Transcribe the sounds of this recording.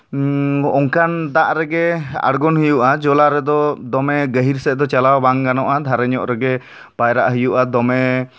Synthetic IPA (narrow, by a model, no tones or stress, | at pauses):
ɔŋkand̪aʔɾɛɡɛa̰ɽɡɔnɦijuʔad͡ʒɔlaɾɛd̪ɔd̪ɔmɛɡəɦiɾsɛd̪ɔt͡ʃalawbaŋɡanɔʔad̪ʱaɾɛɲɔʔɾɛɡɛ | pajɾa̰ʔɦijuʔad̪ɔmɛ